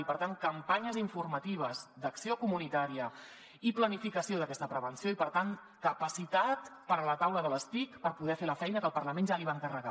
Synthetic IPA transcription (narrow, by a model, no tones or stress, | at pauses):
ipəɾt̪aŋkəmpaɲəziɱfurmət̪iβ̞əzd̪əksiokumunit̪aɾiə | iplənifikəsioð̞əkɛst̪əpɾəβənsioipəɾt̪aŋ | kəpəsit̪at̪pəɾələt̪awləðələst̪ikpəɾpuðɛfeləfɛjnəkəlˠpərləmenʒaliβaŋkərəɣa̰